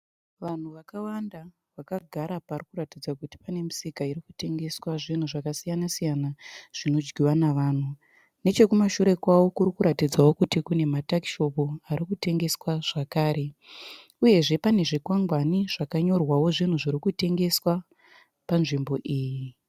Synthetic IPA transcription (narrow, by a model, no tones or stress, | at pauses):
ʋan̤uʋakawanda | ʋakaɡʱaɾaparikuɾatid͡zakuti̥pane̞misikairikute̞ŋɡe̞swaʐin̤uʐakasijanasijanaʐ̥ino̞d͡ʒɡiwanaʋaːn̤u | ne̞t͡ʃe̞kumaʃuɾe̞kwawo̞kurikuɾatid͡zawo̞kutikune̞matakiʃo̞puarikute̞ŋɡe̞swaʐ̥akaːɾe̞ | uje̞ʐe̞pane̞ʐikwaŋɡwaniʐ̥akaɲo̞rwawo̞ʐin̤uʐiɾikute̞ŋɡe̞swa | panʐimbo̞ʔiːji